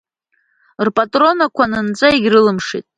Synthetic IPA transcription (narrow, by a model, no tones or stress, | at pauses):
rpʼatʼro̞nakʷʰanɨnt͡sʼaiɡʲrɨlɨmʂḭtʼ